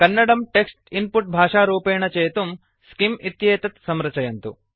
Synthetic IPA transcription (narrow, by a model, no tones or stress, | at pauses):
kɐnːɐɽɐmʈeksʈinpuʈ̚bʱaːʂaːɾuːpeːɳɐt͡ʃeːt̪um | skimit̪jeːt̪ɐt̪sɐmɾɐt͡ʃɐjɐnt̪u